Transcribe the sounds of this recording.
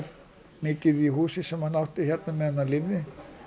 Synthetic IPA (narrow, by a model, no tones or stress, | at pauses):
ɾ | mɪːcɪðiɦuːsɪsɛmhanawht̪ɪçɛɾt̪namɛðɛnːalɪvnɪ